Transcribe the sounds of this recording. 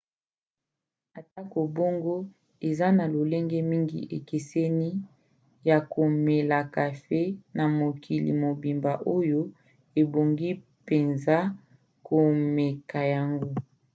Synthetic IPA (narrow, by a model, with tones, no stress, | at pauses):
a˨ta˦ko˨bo˦ŋɡo˦ | e˨za˦na˨lo˨le˦ŋɡe˦mi˦ŋɡḭ˨ʔe˨ke˨sɛ˦ni˦ | ja˨ko˨me˨la˨ka˨fe˦na˨mo˨kʰi˨lḭ˨mo˨bi˨mba˨ʔo˦jo˦ | e˨bo˨ŋɡi˦ | pe˨nza˦ | ko˨me˨ka˨ja˨ŋɡo˦